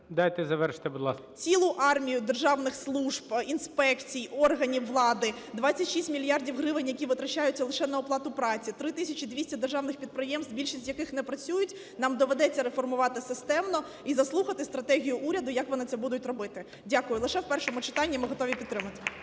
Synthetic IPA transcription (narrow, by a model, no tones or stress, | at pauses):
d̪ajt̪ɪzɐʋɛrʃt̪ɪbud̪lˠɑ̰skt͡sʲilˠʊʔɑrmʲijʊd̪erʒɑwnɪxslˠuʒbinspɛkt͡sʲijɔrɦɐnʲiʋlˠɑd̪ɪd̪ʋɑt͡sʲːɐtʲʃisʲtʲmʲilʲjɑrdʲiwɦɾɪʋɪnʲjɐkʲiʋɪt̪ɾɐt͡ʃajʊt͡sʲːɐlˠɪʃɛnɐɔplˠɑt̪ʊpɾɑt͡sʲit̪ɾɪt̪ɪsʲɐt͡ʃid̪ʋʲisʲtʲɐd̪erʒɑwnɪxpʲid̪̚pɾɪjɛmst̪bʲilʲʃisʲtʲjɐkɪxnɛpɾɐt͡sʲujʊtʲ | nɑmd̪ɔʋed̪ɛt͡sʲːɐɾefɔrmʊʋɑt̪ɪsɪst̪ɛmnɔ | izɐslˠuxɐt̪ɪst̪ɾɐt̪ɛɦʲijʊʔuɾʲɐd̪ʊjɐkʋɔnɪt̪sɛbud̪ʊtʲrɔbɪt̪ɪ | dʲakʊjʊlˠɪʃɛwpɛrʃɔmʊt͡ʃɪ̥t̪ɑnʲːimɪɦɔt̪ɔʋʲipʲid̪t̪ːɾɪmɐt̪ɪ̥